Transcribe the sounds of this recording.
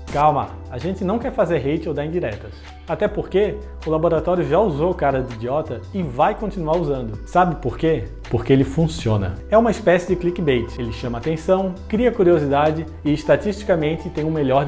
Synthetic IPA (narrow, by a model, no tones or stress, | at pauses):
kawma̰aʒẽnt͡ʃɪnɐ̃w̃kɛɾfazeɾɦejt͡ʃɪowd̪aɾĩd͡ʒiɾɛt̪ɐs | at̪ɛpoɾke | ʊlaboɾat̪ɔɾjʊʒauzokaɾɐd̪id͡ʒiɔt̪ɐɪvajkõt͡ʃinuaɾuzɐ̃nd̪ʊsabɪpoɾke | poɾkeelɪfũsiõnɐ̰ɛũmɐɪspɛsɪd͡ʒɪklikɪbejt͡ʃɪelɪʃɐ̃mɐaːt̪ẽsɐ̃w̃kɾiɐkuɾiozid̪ad͡ʒɪ | ɪːʃt̪atiʃt͡ʃi̥kɐmẽnt͡ʃɪt̪ẽj̃ũmelʎɔɾ